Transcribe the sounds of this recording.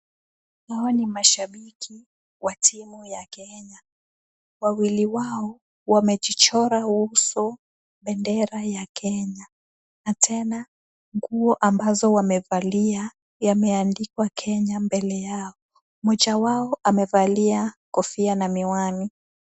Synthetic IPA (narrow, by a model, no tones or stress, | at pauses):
haɔnimaʃaɓikʰi | watʰimujakɛɲa | wawiliwaɔ | wamɛʄit͡ʃɔɾahuhusu | ɓɛndɛɾajakʰɛɲa | natʰɛna | ŋɡuɔʔambazɔwamɛvalia | jamɛandikwakʰɛɲambɛlɛjaɔ | mɔd͡ʒawaɔʔamɛvaliakɔfianamiwani